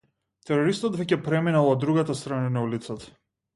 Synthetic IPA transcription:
t̪ɛɾɔɾist̪ɔd̪vɛcɛpɾɛminalˠɔd̪ːɾuɡat̪ast̪ɾananaulit̪sat̪ḁ

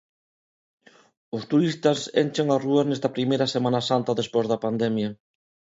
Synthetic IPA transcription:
ʊst̪uɾist̪ɐsḛnʲt͡ʃeŋarueɾnɛst̪ɐpɾimejɾɐsemãnɐsant̪ɐðespozðɐpand̪ɛmjɐ

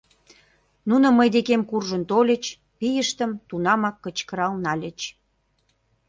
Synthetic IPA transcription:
nunə̆məjd̪ekemkurʒə̆nt̪olʲə̆t͡ɕ | pijəʃt̪ə̆mt̪unɑmɑkːət͡ɕkə̆ɾɑlnɑlʲə̆t͡ɕ

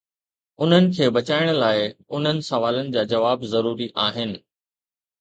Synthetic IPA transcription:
ʊn̤ənɪ̆kʰeːbɐt͡ɕaːɪɽ̃laːɪʊn̤ənɪ̆sɐʋaːlənɪ̆d͡ʑaːd͡ʑɐʋaːbzɐɾuːɾiʔaːɦɪnɪ̆

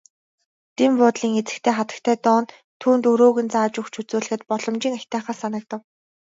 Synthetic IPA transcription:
t̪empʊːt̪ɮiːŋet͡sɘ̆kt̪ʰeːχat̪ə̥̆k̚t̪ʰæːt̪ɔːn | t̪ʰuːnt̪ɵɾoːɣɘ̆nt͡saːt͡ɕɵxt͡ɕʰut͡suːɮɘ̆xɘ̆t̪̚pɔɮɞ̆mt͡ɕiːŋaxʲt̪æːχaːsanə̆k̚t̪ə̆w

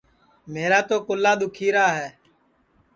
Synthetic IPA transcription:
meːɾaːt̪oːkʊlːaːɗ̪ʊkʰiːɾaːɦɛː

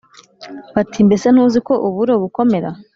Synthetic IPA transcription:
βatʰimbe̞se̞n̥huːziko̞ʔuβuɾoβuko̞me̞ɾa̰

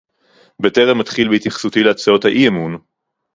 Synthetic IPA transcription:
beteʁemːatχilbeit̪jaχsutileat͡sao̞thaʔiemun

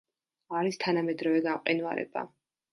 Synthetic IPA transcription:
aɾist̪ʰanamɛd̪ɾɔvɛɡaqʼinva̰ɾɛ̰ba̰

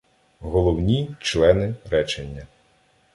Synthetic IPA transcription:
ɦɔlˠɔwnʲit͡ʃlˠɛnɪɾɛt͡ʃenʲːɐ

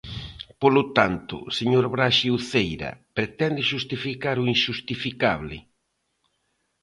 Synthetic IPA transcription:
polʊt̪ant̪ʊ̰seɲoɾβɾaʃiwθejɾɐ̰pɾet̪ɛnd̪ɪʃust̪ifikaɾʊinʃust̪ifikaβlɪ̰

